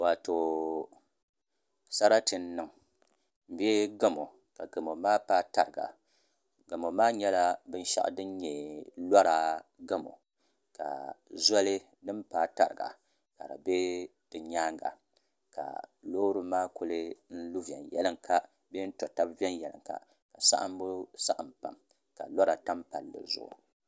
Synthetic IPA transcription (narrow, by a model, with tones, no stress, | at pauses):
wa˨to˨ | sa˦ɾa˦tɨ˨n̩˦nɨ˨ŋ | m̩˨bɛ˦ɡa˦mo˨ | ka˨ɡa˨mo˨maː˦paː˦ta˨ɾɨ˨ɡa̰˨ | ɡa˨mo˨maː˦ɲɛ˦la˦bɨ˦n̩˦ʃa̰˦ʔdɨ˦n˦ɲɛ˨la˦ɾa˨ɡa˦mo̰˨ | ka̰˨za˦lɨ˦ | dɨ˦mpaː˦˨ta˨ɾɨ˨ɡa̰˨ | ka˨ɾɨ̰˨be˦d̥ɨ˨ɲaː˦ŋɡa̰˨ | ka̰˨loː˦ɾɨ˦maː˦ko˦lɨ˦n̩˦lu˦vi˨ɛ̰˨njɛ̰˦lɨ˦ŋkʰa˦ | be˦n̩˦tɔ˨ta˦bvi˦ɛ˦n˦jɛ˨lɨ̰˨ŋka̰˨ | ka˨sa̰˦ʔa˦m˦bu˦sa˦ʔa˨mpa̰˨m | ka̰˨la˦ɾa˨ta˦mpa˨lːɨ̰˨zʊ̰˦ʔʊ̰˨